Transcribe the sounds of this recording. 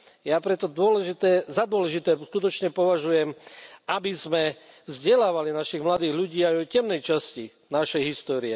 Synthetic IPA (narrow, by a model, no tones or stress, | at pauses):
jaːpɾɛt̪ɔd̪ʊɔlɛʒit̪ɛːzad̪ʊɔlɛʒit̪ɛːskut̪ɔt͡ʃɲɛpɔʋaʒujɛmabizmɛ | vzɟɛlaːʋalinaʃiɣmlad̪iːɣʎuɟiːajɔjcɛmnɛjt͡ʃasci | naʃɛjɦist̪ɔːɾiɛ